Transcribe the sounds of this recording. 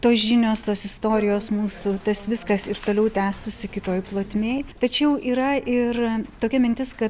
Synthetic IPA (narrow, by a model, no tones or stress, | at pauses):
t̪oːsʒʲɪnʲoːst̪oːsɪst̪oːɾʲɪjoːsmuːsʊt̪ɐsʋʲɪskɐsɪɾt̪oːlʲɛʊt̪ʲæːst̪ʊsʲɪkʲɪt̪oːjplˠoːt̪ʲmʲeːjt̪ɐt͡ʃʲɛʊʔiːɾɐʔɪrt̪oːkʲɛmʲɪnʲt̪ʲɪskɐt̪